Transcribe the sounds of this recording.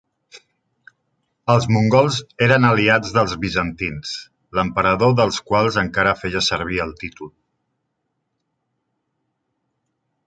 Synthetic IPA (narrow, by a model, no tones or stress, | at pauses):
əlˠzmuŋɡɔlˠzeɾənəliad͡zðəlˠzβizənt̪ins | ləmpəɾəðoðəlˠskwalˠzəŋkaɾəfejəsəɾβ̞iəlˠt̪it̪ulˠ